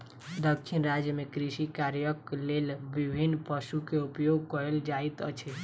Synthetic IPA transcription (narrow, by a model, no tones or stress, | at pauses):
d̪əkʰːinɾad͡ʒjəmekɾiʃikaɾjəklelbibʱinːpəsukeupjoɡ̚kɔɾeld͡ʒajt̪ə̰t͡ʃʰe